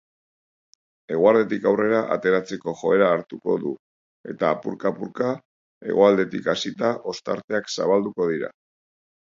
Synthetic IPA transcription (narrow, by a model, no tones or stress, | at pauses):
e̞ɣoaɾðe̞t̪ikawre̞ɾaʔa̰t̪e̞ɾat͡se̞ko̞ʝo̞e̞ɾaːɾt̪uko̞ðu | e̞̰t̪aːpuɾkapuɾka | e̞̰ɣoald̪e̞t̪ikasit̪aʔo̞st̪aɾt̪e̞aksa̰βald̪uko̞ðiɾa̰